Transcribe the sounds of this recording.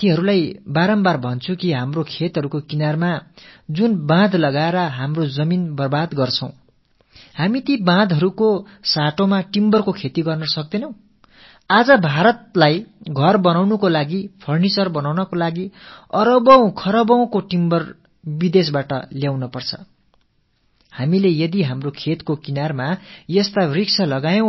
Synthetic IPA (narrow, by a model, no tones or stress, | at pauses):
t̪iɦʌɾulajbaɾʌmbarbʱʌnt͡sʰukiɦamrokʰet̪ɦʌɾukokinarmad͡zunbãd̪lʌɡaeɾʌɦamrod͡zʌminbʌrbad̪ɡʌrt͡sʰʌw̃ | hamit̪ibãd̪ʱʌɾuko | saʈomaʈimbʌrkokʰet̪iɡʌrnʌsʌk̚d̪enʌ̃w̃ | ad͡zʌbʱaɾʌt̪̚lajɡʱʌrbʌnawnukolaɡipʰʌrnit͡sʌrbʌnawnʌkolaɡiʌɾʌbʌw̃kʰʌɾʌbʌw̃koʈimbʌr | bid̪esbaʈʌljawnʌpʌrt͡sʰʌ̥̰ | hamilejʌd̪iɦamrokʰet̪kokinarmajʌst̪ariksʰʌlʌɡajʌ̃